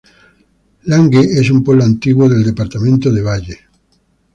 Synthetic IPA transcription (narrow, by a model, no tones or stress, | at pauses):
laŋɡeesumpoβloant̪iɣwoðeld̪epaɾt̪amẽnt̪oðeβ̞aʎe